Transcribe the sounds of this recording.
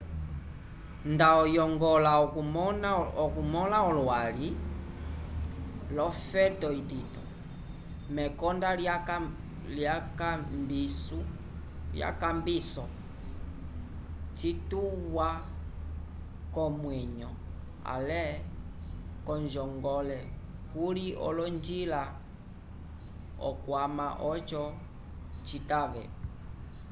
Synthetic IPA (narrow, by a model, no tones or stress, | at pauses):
ndaɔjɔŋɡɔlaɔɔnɔkumɔlaɔlwali | lɔfɛtɔititɔ | mɛkɔnda | ljakambisu | ja̰kambisɔ | t͡ʃituwa | kɔmwɛɲɔ | a̰lɛ | kɔnd͡ʒɔŋɡɔlɛ | huliɔ̰lɔnd͡ʒila | ɔ̰kwamaʔɔt͡ʃɔ | t͡ʃitaβɛ̰